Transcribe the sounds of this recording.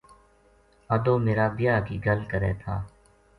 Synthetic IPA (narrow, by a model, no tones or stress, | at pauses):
əd̪oːmeːɾaːbɪjaːkiːɡəlkəɾḛːt̪ʰaː